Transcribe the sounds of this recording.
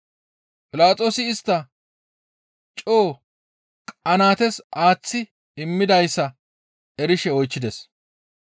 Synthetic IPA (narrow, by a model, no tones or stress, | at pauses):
pʼɪlaːt͡sʼo̞ːsɪːst̪ːɐ | t͡ʃʼoː | kʼɐnaːt̪ɛsʔaːt͡sːɪ | ɪmːɪd̪ɐjsːɐ | ɛɾɪʃɛɔjt͡ʃːɪd̪ɛs